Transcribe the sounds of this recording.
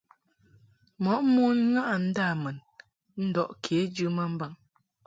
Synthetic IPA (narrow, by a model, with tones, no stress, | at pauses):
mɔ˨˦ʔmo˦n˦ŋa˦ʔa˨n̩˦da˦˨mɛ˨n | n̩˦dɔ˦˨ʔkʰe˨˦d͡ʒɨ˦mə˦m̩˦ba˨ŋ